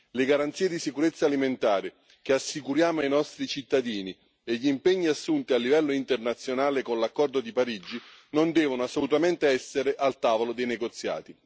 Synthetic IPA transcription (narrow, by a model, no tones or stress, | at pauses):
leɡaɾant̪siːed̪isikuɾet̪sːaliment̪aːɾɪ | k̟easːikuɾjaːmoajnɔst̪ɾit͡ʃit̪ːad̪iːni | eʎːimpɛɲːiasːunt̪ialːivɛlːoint̪ernat̪sːjonaːlekonlakːɔrd̪od̪ipaɾid͡ʒinond̪ɛːvonoasːolut̪ament̪eɛsːeɾeʔalt̪aːvolod̪ejneɡot̪sːja̰ːt̪i